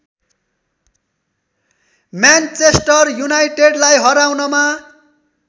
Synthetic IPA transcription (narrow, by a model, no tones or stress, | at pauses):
mjant͡sesʈʌrjunajʈeɖlajɦʌɾawnʌma